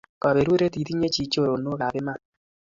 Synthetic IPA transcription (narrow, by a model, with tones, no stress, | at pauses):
kɔ˨βe˨ɾwe˦ɾe˦ti˨ti˦ɲe˦t͡ʃi˨t͡ʃo˦ɾo˨no˦ka˨bɪ˦ma˦˨t